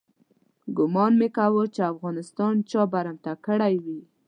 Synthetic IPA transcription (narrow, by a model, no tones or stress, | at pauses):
ɡʊmɑnmekawət͡ʃeafɣɑnɪst̪ɑnt͡ʃɑbaɾamt̪akəɽajwi